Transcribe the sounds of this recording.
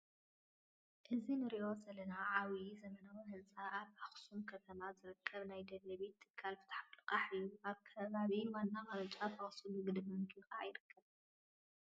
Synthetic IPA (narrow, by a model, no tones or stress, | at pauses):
ʔɨzinɨɾiʔo̞sɐlɐnaʕawizɐmɐnawiɦɨzt͡sʼaʔaβʔaxsumkʰɐt̪ʰɐmazɨɾɨkʰːɐβnajd̪ɐlɐβit̪ʰːɨ̥kʰːalfɨ̥t̪ʰħalɨkʼaħɨjːuʔaβkʰɐβaβiwanːamɐɾɐt͡ʃʼat̪ʰɐχʼsɨluɡɨd̪bmɨkʰɨlkʼaʕajɪɾɨkʰːɐβ